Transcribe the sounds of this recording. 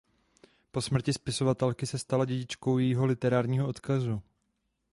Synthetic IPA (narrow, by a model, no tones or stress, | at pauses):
po̞smr̩cɪspɪso̞vat̪ɛlkɪsɛst̪alaɟɛɟɪt͡ʃko̞wjɛjiɦo̞lɪt̪ɛɾaːɾɲiːɦoʔo̞t̪kazu